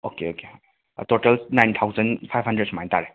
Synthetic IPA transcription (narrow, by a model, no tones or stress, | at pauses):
okeokeoḛ | totɐlnajntʰawzɐnpʰajbʱɦɐndɾed̚smajntaɾe